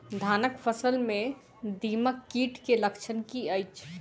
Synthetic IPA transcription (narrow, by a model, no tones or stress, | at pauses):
d̪ʱaːnəkpʰəsəlmẽ | d̪iːməkːiːʈkeləkt͡ʃʰənkiəɪt͡ʃʰ